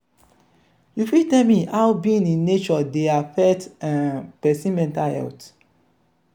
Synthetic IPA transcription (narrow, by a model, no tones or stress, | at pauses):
jufitɛlmiʔawbĩĩnĩnːet͡ʃɔdeafɛtãnpɛsĩmɛ̃ntahɛ̰lt